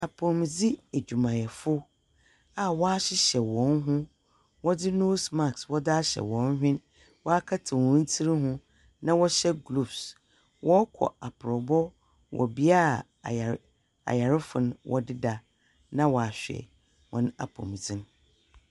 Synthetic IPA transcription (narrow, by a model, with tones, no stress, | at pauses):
a˨pʰʊ̃˨md͡zi˦e˨d͡ʑᶣu˨mã˨jɛ˨fʊ˦ | a˨wɔ˦a˦ɕɪ˦ɕɛ˨wɔ̃˨˦n˦ɦʊ̃˦ | wɔ˦dɪ˦noː˦sma˦˨kswɔ˦dɪ˦a˦ɕɛ̰˨wɔ̃˨˦n˦hᶣɪ̃˦n | wɔ˦a˦kʰa˦tʰɪ˨wɔ̃˨˦n̩˦tʰi˦ɾi˦ɦʊ̃˦ | nã˦wɔ˦ɕɛ˦ɡlu˦˨bs | wɔ˦kʰɔ̰˨a˨pʰʊ˨ɾɔ˨bɔ˦ | wʔɔ̰˨bi˦a˦˨ | a̰˨ja˨ɾɪ˦fʊ˨ñ˦wʔɔ̰˦dɪ˦da˨ | nã˦wɔ˨a˨ɕᶣɛ̰˨ | wɔ̰̃˨n˦a̰˨pʰɔ̰̃˨md͡zĩ˦n˦